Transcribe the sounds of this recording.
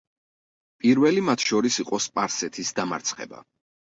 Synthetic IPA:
pʼiɾvɛlimat̪ʰʃɔɾisiqʼɔspʼaɾsɛt̪ʰisd̪ama̰ɾt̪sʰχɛ̰ba̰

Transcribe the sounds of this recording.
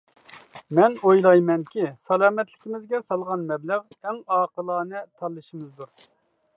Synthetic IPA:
mɛnojlˠɑjmɛnkʲisɑlˠɑːmɛt̪lɪ̥kʲimɪzɡʲɛsɑlˠʁɑnmɛblæʁ | ɛŋɑːqəlˠɑːnɨt̪ʰɑlˠːɨʃimɨzd̪uɾ

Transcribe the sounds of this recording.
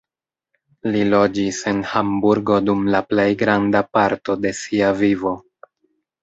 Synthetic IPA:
lilo̞d͡ʒise̞nhambuɾɡo̞dumlaple̞jɡɾandapaɾto̞de̞siavivo̞

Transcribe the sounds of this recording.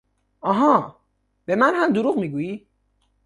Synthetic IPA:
ʔɒɦɒː | b̥e̞mænɦæmd̪oɾuɣmiɡuːji

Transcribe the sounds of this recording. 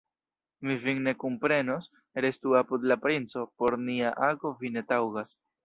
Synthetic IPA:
miviŋne̞kumpɾe̞nos | eɾe̞stuapud̪lapɾint͡so̞po̞ɾniaʔaɡo̞vine̞tawɡas

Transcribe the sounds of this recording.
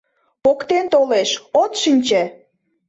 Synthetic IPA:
pokt̪ent̪oleʃot̪ʃinʲt͡ɕe

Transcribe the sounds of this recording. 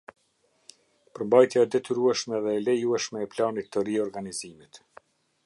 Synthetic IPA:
pəɾmbajt̪jaɛd̪ɛt̪yɾuɛʃmɛðɛːlɛjuɛʃmɛːplanit̪ːəriɔɾɡanizimit̪

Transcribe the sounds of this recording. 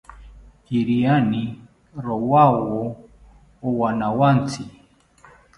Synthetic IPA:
hiɾiani | ɾɔwawɔ | ɔwanawant͡si

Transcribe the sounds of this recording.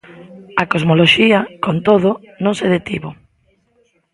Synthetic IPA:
akozmoloʃiɐkont̪oð̞ʊ | nõŋseð̞et̪iβo

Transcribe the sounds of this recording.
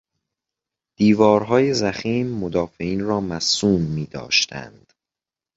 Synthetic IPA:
d̪̥iːvɒːɾɦɒːje̞zæxiːmːod̪ɒːfeiːnrɒːmæsuːmːiːd̪ɒ̰ːʃt̪æ̰nd̪̥

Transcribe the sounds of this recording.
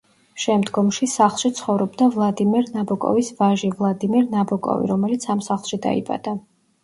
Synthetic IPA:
ʃɛmd̪ɡɔmʃisaχlˠʃit̪sʰχɔvɾɔbd̪avlˠad̪imɛɾnabɔkʼɔ̰visvaʒivlˠad̪imɛɾnabɔkʼɔ̰vḭɾɔmɛlit̪sʰamsaχlˠʃid̪a̰ḭba̰d̪a

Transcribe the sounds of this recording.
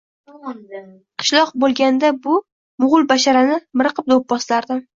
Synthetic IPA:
qʰɨ̥ʃlˠɒqbolˠɡʲand̪abʊ | mʊʁʊlˠbaʃaɾanɪmɪɾɨqʰɨp̚d̪op̚bɒslaɾd̪ɪm

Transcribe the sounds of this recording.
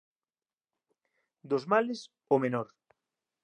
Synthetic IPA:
d̪ozmales | omenɔɾ

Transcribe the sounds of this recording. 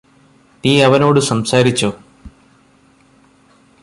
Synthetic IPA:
niːɐʋɐno̞ːɽɨsɐmsaːɾit͡ɕːoː

